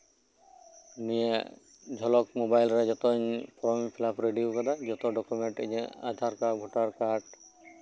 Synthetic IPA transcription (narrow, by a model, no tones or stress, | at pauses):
mijḛ | d͡ʒʱɔlɔkmobajlɾɛd͡ʒɔt̪ɔɲpɔɾɔmpʰilapʰɾeɖiukɔd̪ad͡ʒɔt̪ɔɖɔkumeɳʈḛɲɛa̰d̪ʱaɾkaɡʱɔʈaɾkaɾɖ